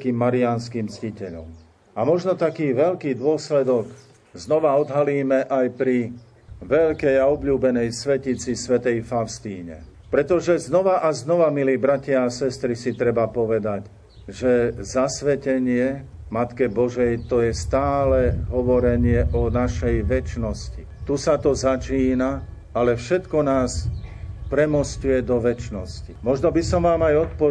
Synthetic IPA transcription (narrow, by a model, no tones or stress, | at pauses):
kiːmːaɾianskiːmt͡scicɛʎɔ̰m | amɔʒnɔt̪akiːʋɛʎkiːd̪ʊɔslɛd̪ɔɡ | znɔʋaɔd̪ɦaliːmɛʔajpɾi | ʋɛʎkɛjaɔbʎuːbɛnɛjsʋɛcit͡sisʋɛt̪ɛjfaʊst̪iːɲɛ̰pɾɛt̪ɔʒɛznɔʋaʔaznɔʋamiliːbɾacɪaːsɛst̪ɾisit̪ɾɛbapɔʋɛd̪ac | ʒɛzasʋɛcɛɲɪɛ | mat̪kɛbɔʒɛjt̪ɔjɛst̪aːlɛɦɔʋɔɾɛɲɪɛʔɔnaʃɛjʋɛt͡ʃnɔsci | t̪usat̪ɔzat͡ʃiːna | alɛfʃɛt̪kɔnaːs | pɾɛmɔscujɛd̪ɔʋɛt͡ʃnɔscimɔʒnɔbisɔmʋaːmajɔt̪pɔ